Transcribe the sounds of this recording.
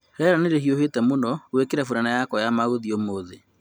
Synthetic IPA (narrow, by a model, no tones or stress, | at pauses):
hɛɾaneɾehiohetɛmonɔwekeɾɛfuɾanajakɔjamaɣoðiomoðe